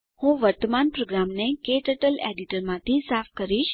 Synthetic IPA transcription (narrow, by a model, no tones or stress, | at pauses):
hũʋəɾt̪əmanpɾoɡɾamnekeʈəʈəlḛɖiʈəɾmãt̪ʰisafʰkəɾiʃ